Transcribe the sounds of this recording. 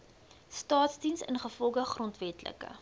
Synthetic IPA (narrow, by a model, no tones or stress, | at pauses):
stɑːtsdinsə̰nχəfɔlˠɡəχrɔntvɛtlə̰kə̰